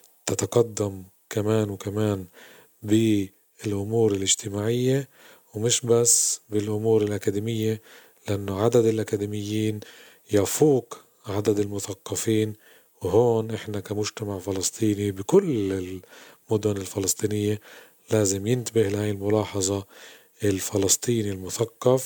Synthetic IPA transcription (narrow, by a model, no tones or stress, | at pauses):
t̪at̪ɑqɑd̪ːam | kamaːnwkamaːn | bɪ | ɪlʔʊmuːɾɪlʔɪʒt̪ɪmaːʕɪjːe | wmɪʃbasːbɪlʔʊmuːɾɪlʔakad̪iːmɪjːe | lɪʔanːoʕad̪ad̪ɪlʔakad̪imɪjːiːn | jafuːk | ʕad̪ad̪ɪlmʊθaqːɑfiːn | wɦoːnʔɪħnakamʊʒt̪amaʕfɪlɑsˤt̪ʰˤiːnibɪkʊlɪlmʊd̪ʊnɪlfɪlɑsˤt̪ˤiːnɪjːe | laːzɪmjɪnt̪abɪhlhaːɪlmʊlɑːħɑzˤɑ | ʔɪlfɪlɑst̪ˤiːnilmʊθaqːɑf